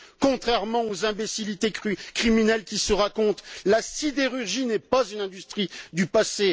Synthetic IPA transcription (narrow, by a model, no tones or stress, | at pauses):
kɔ̃t̪χɛʁmɑ̃ozɛ̃besilit̪ekχiminɛlkʲisəʁakɔ̃t̪lasid̪eʁyʁʒinɛpazynɛ̃d̪yst̪χid̪ypase